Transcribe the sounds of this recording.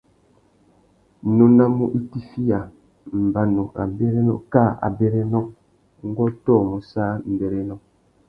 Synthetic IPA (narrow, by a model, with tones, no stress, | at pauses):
no˨na˦mu˦˨ʔi˦ti˦fi˦ja˨ | m̩˨ba˨no˨a̰˨be˦ɾe˦nɔ̰˦˨ka˦˨a̰˨be˨ɾe˦nɔ˦ | ŋ̩˦ɡɔ˦tɔ˦˨mo˨saː˦m̩˨be˨ɾe˦nɔ˨˦